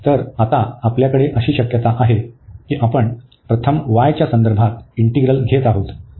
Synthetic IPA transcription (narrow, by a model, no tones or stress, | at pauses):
t̪əɾat̪aapljakəɽeʔəɕiːɕəkjət̪aʔaɦekiːʔapəɳ | pɾət̪ʰəmʋajt͡ɕjasənd̪əɾbʱat̪iɳʈiɡɾəlɡʱet̪aɦot̪